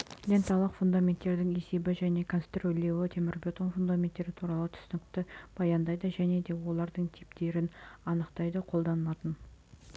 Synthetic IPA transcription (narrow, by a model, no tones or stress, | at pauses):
lʲent̪ɑlˠəqfund̪amʲe̞nt̪ːe̞ɾd̪ɪŋe̞se̞bɪʒæne̞kʰonst̪rolʲe̞wɪt̪ʰe̞mɪɾbʲe̞t̪onfund̪amʲe̞nt̪ːe̞ɾɪt̪ʰuɾɑlˠət̪ʰʏ̥sɪnɪkt̪ɪb̥ɑjɑnd̪ɑjd̪əʒæne̞d̪e̞wo̞lˠɑɾd̪əɴt̪ʰipt̪e̞ɾɪnɑnəqt̪ɑjd̪əqʰo̞lˠd̪ɑnəlˠɑt̪ən